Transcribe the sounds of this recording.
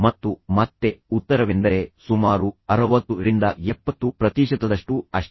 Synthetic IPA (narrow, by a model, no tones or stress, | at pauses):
mɐt̪ːumɐt̪ːe̞ut̪ːɐɾɐʋend̪ɐɾesumaːɾuɐɾɐʋɐt̪ːuɾind̪ɐɛpːɐt̪ːupɾɐt̪iːʃɐt̪ɐd̪ɐʂʈuɐʂ